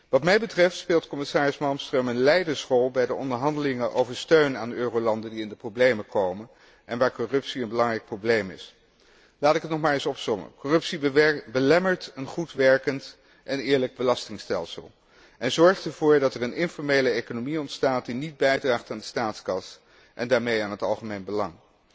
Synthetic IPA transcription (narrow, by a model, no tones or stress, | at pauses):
ʋɑtmɛjbətrɛftspɪːlˠtkɔmɪsaːɹɪsmɑlˠmstrəmənlɛjdənsrɔlˠbɛjdəʔɔndəɹɦɑndəlɪŋəʔo̰wvəɹstøɥnaːnøːrowlɑndəndiɪndəprowblejməkowmən | ɛnʋaːɹkɔrɵpsiənbəlɑŋrɛjk̚prowblejmɪ̰s | laːtɪkətnɔχmaːɹɪsɔpsɔmə̰kɔrɵpsibəlɛməɹtənχutʋɛɹkənt | ʔɛnɪːɹləɡ̚bəlɑstɪŋstɛlˠsə̰lˠ | ɛnzɔɹχtəɹv̥ʊːɹdɑtɛɹənɪnfɔɹmejləejkonomiɔntstaːt̚dinid̚bɛjdraːχtaːndəstaːtskɑs | ʔɛndaːɹmejaːnɦətɑ̰lˠχəmejnbəlɑŋ